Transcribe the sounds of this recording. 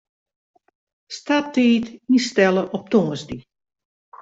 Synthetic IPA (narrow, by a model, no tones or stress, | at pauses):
statiːtinstɛləʔɔp̚toŋəsdi